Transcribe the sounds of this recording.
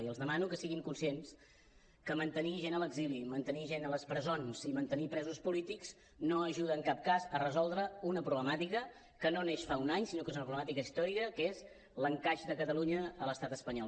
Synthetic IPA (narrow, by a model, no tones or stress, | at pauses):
iəlˠzðəmanukəsiɣiŋkunsiens | kəmənt̪əniʒenələɡzilimənt̪əniʒenələspɾəzonz̥imənt̪ənipɾɛzuspulit̪ikz̥ | noəʒuðəːŋkap̚kazərəzɔlˠd̪ɾəunəpɾuβləmat̪ikə | kənoneʃfaunaɲsinokezunəpɾuβləmat̪ikəist̪ɔɾikəkez | ləŋkaʃd̪əkət̪əluɲəələst̪at̪əspəɲɔl